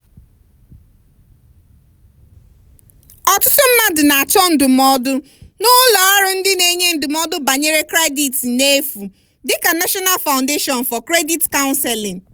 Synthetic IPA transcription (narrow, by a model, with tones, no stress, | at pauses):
ɔ˨tʊ˦tʊ˦m̩˦ma˦dʊ˨na˨a˨t͡ʃɔ˦n̩˦dʊ˨mɔ˦dʊ˦ | nʊ˦lɔ˨a˦ɾʊ˦n̩˦dɪ˦ne˨ɲe˦n̩˨dʊ˨mɔ˦dʊ˦ba˨ɲe˦ɾe˦kɾe˦di˨tne˦fu˨ | dɪ˦ka˨na˦ʃɔ˦na˦lfa˨ʊ̃˨nde˦ʃɔ˨n˨fɔ˨kɾe˦di˦tka˦ʊ˦nse˨lĩ˨ŋ̩˨